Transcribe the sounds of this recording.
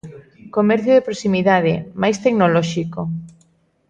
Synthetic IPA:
komɛɾθjoðepɾosimiðaðemajst̪eknolɔʃiko

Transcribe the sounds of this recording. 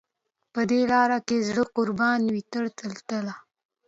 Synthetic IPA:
pəd̪elɑɾakezɽəqʊɾbɑnwit̪əɽt̪əlt̪əla

